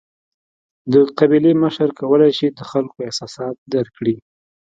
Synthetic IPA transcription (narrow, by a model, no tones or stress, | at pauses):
d̪əqabileməʃəɾkawəlajʃid̪əxalkoɪhsɑsɑt̪̚d̪aɾkɽi